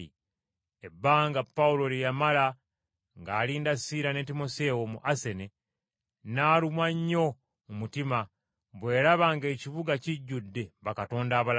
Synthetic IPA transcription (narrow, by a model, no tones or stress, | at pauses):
i | ebːaːŋɡapːaulo̞lijamala | ŋɡaːliːndasiːɾane̞timo̞se̞womuʔase̞ne | naːlumwaɲːo̞ | mumutima | βwe̞ːɾaβaŋɡe̞ːciβuɡaciɟːudːe̞βakato̞ːndaːβal